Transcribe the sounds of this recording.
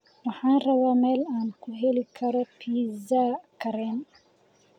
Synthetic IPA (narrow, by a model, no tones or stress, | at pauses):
wɑħaːnrɐβaːmɛːlaːnkʰʊɦɛlikʰɐɾɔpʰiːzaːkʰɐɾɛːn